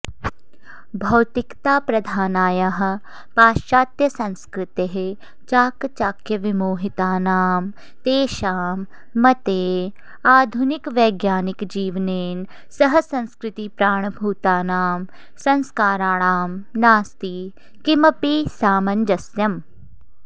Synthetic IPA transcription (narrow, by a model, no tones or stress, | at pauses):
bʱɐwt̪ɪkt̪aːpɾɐd̪ʱaːnaːjaɦ̆ | paːʃaːt̪jɐsɐ̃nskɾɪt̪eɦe | t͡ʃaːkt͡ʃaːkjɐʋɪmoːɦɪt̪aːnaːm | t̪eːʃaːmː | ɐt̪eː | aːd̪ʱʊnɪkʋɐːɡjaːnɪkd͡ʒiːʋneːn | sɐɦəsɐ̃nskɾɪt̪ipɾaːɳ̃bʱuːt̪aːnaːm | sɐ̃nskaːɾaːɳaːmnaːst̪iː | kimɐpisaːmɐnd̪ɐsjɐm